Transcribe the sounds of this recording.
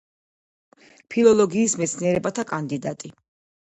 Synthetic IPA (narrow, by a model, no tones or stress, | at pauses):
pʰilˠɔlˠɔɡiːsmɛt̪sʰniɛɾɛbat̪ʰakʼand̪id̪at̪ʼi